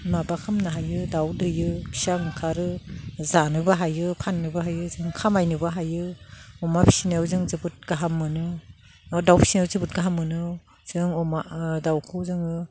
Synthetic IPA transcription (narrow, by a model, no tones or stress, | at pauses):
mabakʰamnaɦajɯdawdɯjɯpʰi̥saŋkʰaɾɯzanɯbaɦajɯpʰanːɯbaɦajɯzɯŋkʰamajnɯbaɦajɯɔmapʰi̥sinawzɯŋzɯbɯt̚ɡaɦamːɯnɯ | dawpʰi̥sinazɯbɯt̚ɡaɦamːɯnɯ | z̥ɯŋɔmadawkʰɯzɯŋɯ